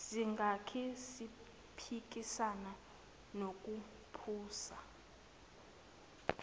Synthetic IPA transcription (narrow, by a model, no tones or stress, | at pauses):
siŋɡʱakʰisi | pʰik̬ʼisana | nok̬ʼu | pʰuːsa